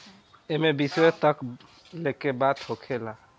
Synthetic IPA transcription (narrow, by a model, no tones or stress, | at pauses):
emebisɔet̪ək | lekebat̪hokʰela